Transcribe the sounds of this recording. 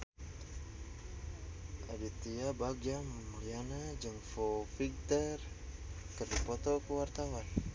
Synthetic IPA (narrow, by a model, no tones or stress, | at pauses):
ʔadit̪iabaɡiammlianad͡ʒaŋfɔfiɡ̚t̪ər | kərdipɔt̪ɔkuwart̪awan